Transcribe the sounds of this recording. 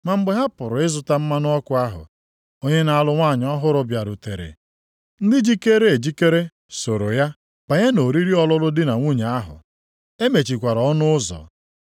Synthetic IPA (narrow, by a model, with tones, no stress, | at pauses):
ma˨m̩˦ɡ͡be˨ɦa˦pʊ˨ɾʊ˨ɪ˦zʊ˨ta˦m̩˦ma˦n˦ɔ˦kʊ˦a˦ɦʊ̰˨ | o˦ɲe˦na˨a˦lʊ˦ŋʷaː˦˨ɲ˦ɔ˦ɦʊ˦ɾʊ˦bja˨ɾu˨te˨ɾḛ˨ | n̩˦dɪ˦d͡ʒi˦ke˦ɾe˦e˨d͡ʒi˦ke˦ɾe˦ | so˨ɾo˨ja˦ | k͡pa˨ɲa˦no˨ɾi˦ɾi˦ɔ˦lʊ˦lʊ˦dɪ˦na˨ŋʷu˦ɲe˨a˦ɦʊ̰˨ | e˦me˨t͡ʃi˨kʷa˨ɾɔ˦nʊ˦ʊ˦zɔ̰˨